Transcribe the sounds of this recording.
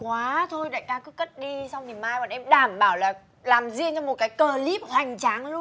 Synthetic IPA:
kwaː˨˦t̪ʰo˧jɗa̰ː˧˨jkaː˧kɨ˦˥kə˦˥t̚ɗi˧sa˧wŋ͡mni˨˩maː˧jɓa̰ː˨˩nʔɛ˧mɗaː˧˩mɓaː˧˩wlaː˨˩ | laː˨˩mzi˧əŋt͡ɕɔ˧mo˨˩t̚kaː˨˦jkəː˨˩li˦˥p̚hwa˨˩jŋ̟t͡ɕaː˨˦ŋlu˧

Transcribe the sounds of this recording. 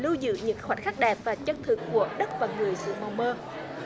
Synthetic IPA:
lu˧zɨ̰˧˨ɲɨ̰˧˥ŋxwa˨˩t̚xaː˦˥k̚ɗɛ˨˩p̚vaː˨˩t͡ɕə˧nt̪ʰɨ˨˩kːu˧˩əɗə˦˥t̚vaː˨˩ŋɨ˨˩əjsɨ̰˧˨ma˨˧wŋ͡mməː˧

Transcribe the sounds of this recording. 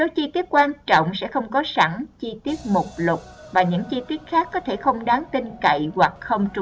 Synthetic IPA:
so˨˦t͡ɕi˧t̪i˦˥ət̚kwaː˧nt͡ɕɔ̰˧˨wŋ͡msɛ̰˧˥xə˧wŋ͡mkɔ˨˦sa˧˩ŋt͡ɕi˧t̪i˦˥ət̚mʊ˨˩k͡p̚lʊ˨˩k͡p̚vaː˨˩ɲɨ̰˧˥ŋt͡ɕi˧t̪i˦˥ət̚xaː˦˥kːɔ˨˦t̪ʰe˧˩xə˧wŋ͡mɗaː˨˦nt̪i˧nkə̰˧˨jwa˨˩k̚xə˧wŋ͡mt͡ɕʊ˧˩

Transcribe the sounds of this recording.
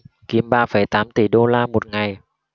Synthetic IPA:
ki˨˦əmɓaː˧fə˧˩jt̪aː˨˦mt̪i˧˩ɗo˧laː˧mo˨˩t̚ŋa˨˩j

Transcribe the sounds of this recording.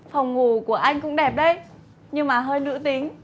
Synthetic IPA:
fa˨˩wŋ͡mŋu˨˩ku˧˩əʔa˧jŋ̟kʊ̰˧˥ŋ͡mɗɛ˨˩p̚ɗə˧j | ɲɨ˧ŋmaː˨˩ɦəː˧jnɨ̰˧˥t̪i˨˦əŋ

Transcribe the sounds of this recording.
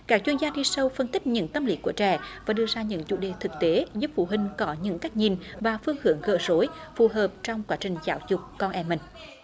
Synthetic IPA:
kaː˦˥k̚t͡ɕwi˧ənzaː˧ɗi˧sə˧wfə˧nt̪ï˦˥k̚ɲɨ̰˧˥ŋt̪ə˧mlḭ˨˦ku˧˩ət͡ɕɛ̰˧˩vaː˧˩ɗɨ˧əzaː˧ɲɨ̰˧˥ŋt͡ɕṵ˧˩ɗe˨˩t̪ʰɨ˨˩k̚t̪e˨˦zu˦˥p̚fṵ˧˩ɦï˨˩ŋ̟kɔ˨˦ɲɨ̰˧˥ŋka˦˥jk̟̚ɲi˨˩nvaː˨˩fɨ˧əŋhɨ˧˩əŋɣə̰ː˧˨˩zo˨˦jfu˨˩ɦəː˨˩p̚t͡ɕɔ˧wŋ͡mkwaː˨˦t͡ɕï˨˩ŋ̟zaː˨˦wzʊ˨˩k͡p̚kɔ˧nʔɛ˧˩mï˨˩ŋ̟

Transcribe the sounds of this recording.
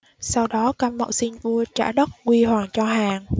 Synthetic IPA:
sa˧wɗɔ˨˦kaː˧mmːə̰˧˨wsi˧ŋvu˧ət͡ɕa̰ː˧˩ɗə˦˥t̚kwi˧hwaː˨˩ŋt͡ɕɔ˧ɦaː˨˩ŋ

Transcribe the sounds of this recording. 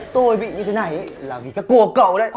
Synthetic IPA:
t̪o˧jɓḭ˧˨ɲɨ˧t̪ʰe˨˦na˨˩jʔə˧˦laː˨˩vi˨˩kaː˨˦jkːu˧˩əkə̰˧˨wɗə̰˧˦j

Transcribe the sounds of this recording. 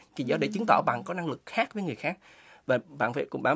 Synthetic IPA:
ki˨˩zɔ˨˦ɗe˧˩t͡ɕɨ˨˦ŋt̪ɔ̰˧˩ɓa̰ː˧˨nkɔ˨˦na˧ŋlɨ˨˩k̚xaː˦˥k̚və˨˦jŋ˨˩əjxaː˦˥k̚ | vaː˨˩ɓa̰ː˧˨nfaː˧˦jkʊ̰˧˥ŋ͡mɓaː˧˩˦

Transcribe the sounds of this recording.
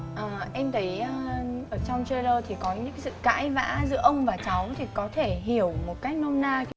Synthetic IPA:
ʔəː˨˩ʔɛ˧mt̪ə˨˦jʔə˧ʔəː˧˩t͡ɕɔ˧wŋ͡mt͡ɕə˧ləː˧t̪ʰi˨˩kɔ˨˦ɲɨ̰˧˥ka˨˦sɨ̰˧˨˧ka̰ː˧˥jva̰ː˧˥zɨ̰˧əʔə˧wŋ͡mvaː˨˩t͡ɕa˨˦wt̪ʰi˨˩kɔ˨˦t̪ʰe˧˩ɦi˧˩əwmo˨˩t̚ka˦˥jk̟̚no˧mnaː˧

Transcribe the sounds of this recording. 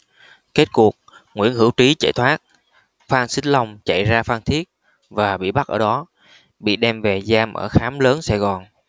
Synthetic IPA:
ke˦˥t̚ku˨˩ək̚ŋwḭ˧˥˨ənhɨ˧˩əwt͡ɕi˨˦t͡ɕa̰˧˩jt̪ʰwaː˦˥t̚ | faː˧nsï˦˥ŋla˧wŋ͡mt͡ɕa̰˧˨jzaː˧faː˧nt̪ʰi˦˥ət̚ | vaː˨˩ɓḭ˧˨ɓa˦˥t̚ʔəː˧˩ɗɔ˨˦ | ɓḭ˧˨ɗɛ˧mve˨˩zaː˧mʔəː˧˩xaː˨˦mləː˨˦nsa˧˩jɣɔ˨˩n

